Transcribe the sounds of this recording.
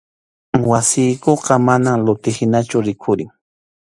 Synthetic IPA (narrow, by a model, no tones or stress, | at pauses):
wasɪjkoqɑmanamlʊt̪ɪhɪnat͡ʃʊɾɪkʰʊɾɪŋ